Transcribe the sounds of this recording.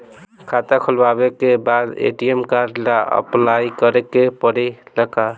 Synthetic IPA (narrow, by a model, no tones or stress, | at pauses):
kʰat̪akʰʊlwabekebad̪ḛʈiemkaɾɖlaə̰plaikəɾekepəɽiləka